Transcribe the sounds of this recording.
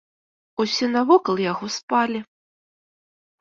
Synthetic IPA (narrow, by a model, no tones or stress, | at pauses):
usʲɛnavɔkɐlˠjaɣɔspalʲi